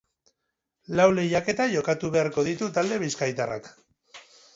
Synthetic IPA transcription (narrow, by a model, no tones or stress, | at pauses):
lawle̞jake̞t̪aʝo̞kat̪uβe̞aɾko̞ð̞it̪ut̪ald̪e̞βiskajt̪ara̰k